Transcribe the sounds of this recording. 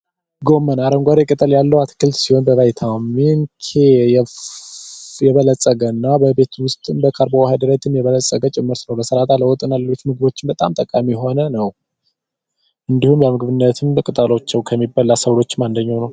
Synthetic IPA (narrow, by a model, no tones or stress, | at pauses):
ɡo̞mːənaɾəŋɡʷaɾekʼɨt̪ʼəljalːəwat̪kɨlsiho̞nbəβajt̪ʰamːinkʰej | jɛβələsʼːəɡənːabəbe̞t̪wʊst̪ʼɨmbəkʰaɾbohad̪əɾət̪ʰɨmjɛβələsʼːəɡət͡ʃʼɪmːɨɾt̪nəwləsəɾat̪ʰaləwɔt̪ʼɨnaləet̪mɨɡɨβo̞t͡ʃːɪnbət̪ʼa̰mt̪ʼəkʼamiɦo̞nənəw | ʔɨnd̪ihumjamɨɡɨβɨnːət̪ʰɨmkʼɨt̪ʼəlot͡ʃːɛwkʰəmːibːalːasəwlo̞t͡ʃːmand̪əɲːawnəw